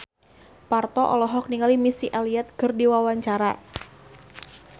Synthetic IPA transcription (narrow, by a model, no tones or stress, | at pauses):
part̪ɔʔɔ̰lɔɦɔk̚niŋalimisiʔaliat̪̚kɨrdiwawaɲt͡ʃaɾa̰